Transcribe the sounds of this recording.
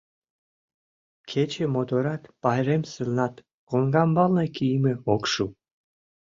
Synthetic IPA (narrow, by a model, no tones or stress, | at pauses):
kʰet͡ɕemod̪oɾɑt̪pɑjɾemsɨlnɑt̪ | koŋɡɑmbɑlnekijmĕokʃu